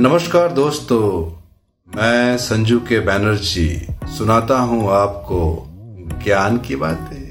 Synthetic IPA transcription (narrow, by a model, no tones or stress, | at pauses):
nɐməʃkaːɾd̪oːst̪o | mɛ̃ːsɐ̃ɲd͡ʒukebɛːnəɾd͡ʒḭsʊnaːt̪aɦũaːpko | ɡjaːnkibaːt̪ẽː